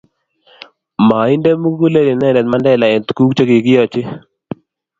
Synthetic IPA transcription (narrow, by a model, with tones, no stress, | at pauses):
ma˨i˦ndɛ˦mu˦ɡu˦le˦le˨nɛ˦˨ndɛ˨t̪̚ma˦ndɛ˦˨la˨ɛ˨nt̪ku˦kt͡ʃo˦ki˨kɪ˦jɔ˦t͡ʃɪ˦